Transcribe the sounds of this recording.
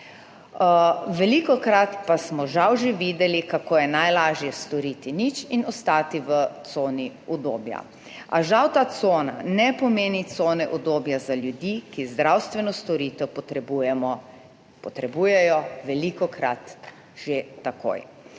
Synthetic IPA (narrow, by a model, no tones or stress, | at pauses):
ʋɛlikɔkɾat̪pasmɔʒawʒeʋiːd̪ɛlikakoːjɛnajlaːʒjɛst̪ɔɾit̪init͡ʃinɔst̪aːt̪iʋət̪soːniɔd̪oːbja̰ | aʒawt̪aːt̪soːna̰nɛpɔmeːnit̪soːnɛʔɔd̪oːbjazalʲjud̪ikizd̪ɾawst̪ʋɛnɔst̪ɔɾiːt̪ɛwpɔt̪ɾɛbujɛmɔ | pɔt̪ɾɛbujɛjɔʋɛlikɔkɾa̰t̪ | ʒ̥et̪ako̰j